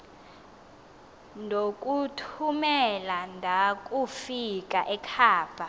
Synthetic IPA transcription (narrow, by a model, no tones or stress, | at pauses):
ndʱok̬ʼutʰumɛlandʱakʼufikʼaʔɛkʰaːb̥ʱa